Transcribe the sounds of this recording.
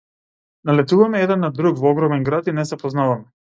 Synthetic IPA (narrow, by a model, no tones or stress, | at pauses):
nalɛt̪uvamɛɛd̪ɛnːad̪ɾukvɔɔɡɾɔmɛnɡɾat̪inɛsɛpɔznavamɛ